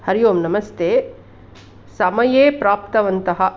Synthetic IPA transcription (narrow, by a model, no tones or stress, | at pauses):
hɐɾijoːmnɐmɐst̪ʰeː | sɐmɐjeːpɾaːp̚t̪ɐʋɐnt̪ɐɦɐ̆